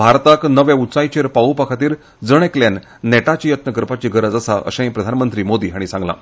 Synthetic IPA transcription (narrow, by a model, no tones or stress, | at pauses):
bʱaɾt̪aknəʋjeut͡sajt͡ɕeɾpaupakʰat̪iːɾ | d͡zəɽ̃ekljanː | eʈat͡ɕijət̪nəkɾpat͡ɕiɡəɾəd͡zasaʔə̰ɕãj̃pɾəd̪ʱanmənt̪ɾiːmod̪iːɦaɽ̃isãŋɡla̰